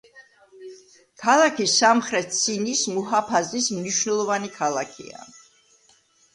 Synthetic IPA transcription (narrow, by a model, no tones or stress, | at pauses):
kʰalˠakʰisamχɾɛt̪̚ʰsinismuɦapʰazismniʃnɛlˠɔvanikʰalˠakʰḭa̰